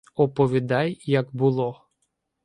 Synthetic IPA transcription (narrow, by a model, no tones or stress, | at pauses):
ɔpɔʋʲid̪ɑjːɐɡbʊlˠɔ